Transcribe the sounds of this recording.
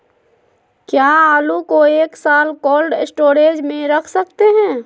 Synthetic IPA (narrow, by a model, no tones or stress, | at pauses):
kjaːaːlukoeːksaːlkoːlɖsʈoːɾeːd͡ʒmẽɾɐkʰsɐk̚t̪eɦɛ̃ː